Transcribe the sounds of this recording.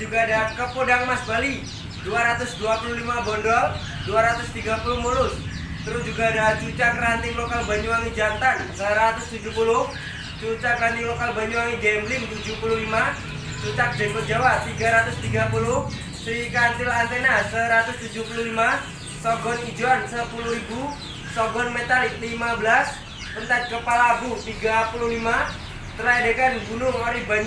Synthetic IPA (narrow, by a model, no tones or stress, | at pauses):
d͡ʒuɡadakəpodaŋmasbali | duaɾat̪ʊsduapululimabɔndɔl | duaɾat̪ʊst̪iɡapulʊhmulʊs | t̪əɾʊsd͡ʒuɡaːdat͡ʃut͡ʃakrant̪ɪŋlokalbaɲuaŋid͡ʒant̪ansəɾat̪ʊst̪ud͡ʒuhpulʊh | t͡ʃut͡ʃakrant̪ɪŋlokalbaɲuaŋiɡɛmblɪŋt̪ud͡ʒuhpululima | t͡ʃut͡ʃak̚dɛnpəd͡ʒawaʔt̪iɡaɾat̪ʊst̪iɡapulʊh | sɾikant̪ɪlant̪ɛnasəɾat̪ʊst̪ud͡ʒuhpuluhlima | sɔɡɔnid͡ʒuansəpulʊhɾibu | sɔɡɔnmet̪alɪklimabəlas | pənt̪ad̪̚kəpalabut̪iɡapuluhlima | t̪əɾajdekanbunʊŋoɾɛhbaɲ